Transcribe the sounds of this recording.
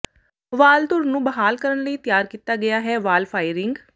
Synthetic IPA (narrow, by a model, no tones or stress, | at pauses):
ʋaːld̪ʊɾnũːbəɦaːlkəɾənləiːt̪ɪjaːɾkiːt̪aːɡɪjaːɦɛːʋaːlpʰaːɪɾɪ̃ŋɡ